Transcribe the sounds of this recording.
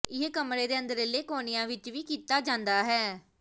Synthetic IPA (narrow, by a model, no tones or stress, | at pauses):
ɪɦkəmɾeːd̪eːə̃nd̪əɾeleːkoːnijãːʋɪt͡ʃʋiːkiːt̪aːd͡ʒãːnd̪aːɦɛː